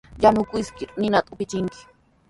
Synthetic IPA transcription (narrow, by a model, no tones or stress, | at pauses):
janʊkʊjskɪɾnɪnat̪aʊpɪt͡ʃɪŋkɪ̥